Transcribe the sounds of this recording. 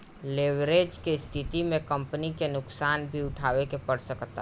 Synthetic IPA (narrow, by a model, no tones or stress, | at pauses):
leʋɾeːd͡ʒkest̪ʰɪt̪imẽkə̃mpənikenʊksaːnbʱiʊʈʰaːʋekepəɽsəkt̪a